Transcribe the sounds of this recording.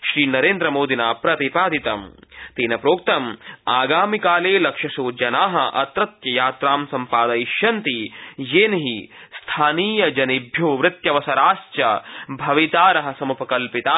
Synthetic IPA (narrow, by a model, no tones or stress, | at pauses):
ʃɾiːnɐɾeːnd̪ɾɐmoːd̪inaːpɾɐt̪ipaːd̪it̪ɐmt̪eːnɐpɾoːk̚t̪ɐmaːɡaːmikaːleːlɐkʃɐsoːd͡ʒɐnaːɦɐʔɐ̰t̪ɾɐt̪jɐjaːt̪ɾaːmsɐmpaːd̪ɐiʃjɐnt̪ijeːnɦist̪ʰaːniːjɐd͡ʒɐnibʱjoːʋɾɪt̪jɐʋɐsɐɾaːst͡ʃjɐbʱɐʋit̪aːɾɐɦɐsɐmupɐkɐlpit̪aː